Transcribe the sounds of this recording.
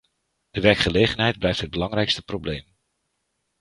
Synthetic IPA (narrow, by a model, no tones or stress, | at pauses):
d̥əʋɛɹkχəlejχənɦɛjd̚blɛjftɦəd̚bəlɑŋrɛjkstəprowblejm